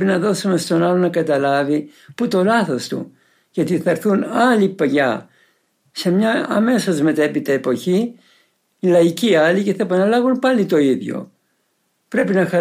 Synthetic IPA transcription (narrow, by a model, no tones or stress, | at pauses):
inɐðo̞sume̞st̪o̞nɐlo̞nɐkɐt̪ɐlɐvi | put̪o̞lɐθo̞st̪ṵ | ʝɐt̪iθɐɾθunɐlipɐʝɐ̰ | se̞mɲɐɐme̞sozme̞t̪epit̪ɐepo̞çiː | lɐiciɐlice̞θɐepɐnɐlɐɣunpɐlit̪o̞iðʝo̞̰ | pɾe̞pinɐxɐ